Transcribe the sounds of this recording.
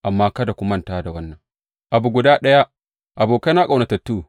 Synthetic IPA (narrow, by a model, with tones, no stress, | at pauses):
ʔa˨mːaː˦kɐ˦da˨kʷʊ˦mɐ˦ntaː˦da˨wɐ˦nːɐ˨ŋ | ʔa˨bu˨ɡʷʊ˨daː˦ɗɐ˦ja˦ | ʔa˨boː˨ka˦na˦kʼa˨wnɐ˨tɐ˨tːuː˦